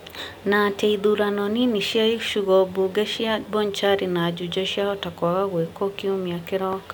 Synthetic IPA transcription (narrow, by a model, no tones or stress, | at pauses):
nateiðuɾanɔniniʃjaiʃuɣɔbuɡɛʃjabɔɲt͡ʃaɾinad͡ʒud͡ʒɔʃjaɔtakwaɣaɣwekɔkiumiakɪɾɔk